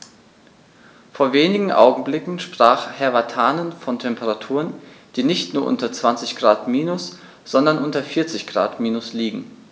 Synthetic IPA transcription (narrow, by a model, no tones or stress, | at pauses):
foːɐveːnɪɡŋ̩ʔa̰ʊɡŋ̩blɪkŋ̩ʃpʁ̥aːχhɛɐvatʰaːnənfɔntʰɛmpʰəʁatʰuːʁənd̥iːnɪçtnuːɐʔʊ̰ntɐt͡sv̥ant͡sɪçɡ̥ʁaːtmiːnʊs | z̥ɔndɐnʔʊntɐfɪɐt͡sɪçɡ̥ʁa̰ːtmiːnʊsliːɡŋ̩